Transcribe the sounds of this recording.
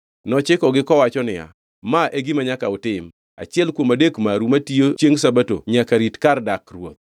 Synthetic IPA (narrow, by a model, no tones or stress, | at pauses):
nɔt͡ʃɪkɔɡɪkɔwat͡ʃɔnɪja̰ | maʔeɡɪmaɲakaʊtɪm | a̰t͡ʃɪɛlkwomadekmaɾumatijot͡ʃjeŋsabato̰ɲakaɾitkardakrwo̰t̪̚